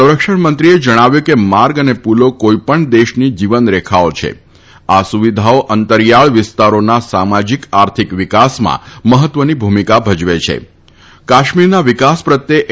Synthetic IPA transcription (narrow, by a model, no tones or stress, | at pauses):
əwɾəkʃəɳmənt̪ɾied͡ʒəɽ̃aʋjukemaɾɡənepulokoipəɳd̪eʃnid͡ʒiʋənɾekʰaot͡ʃʰḛ | asuʋid̪ʱaoʔənt̪əɾjaɭʋɪst̪aɾonasamad͡ʒikaɾt̪ʰikʋɪkasmã̰məɦət̪ʋənibʱumikabʱəd͡ʒʋet͡ʃʰḛ | kaʃmiɾnaʋɪkaspɾət̪jeʔ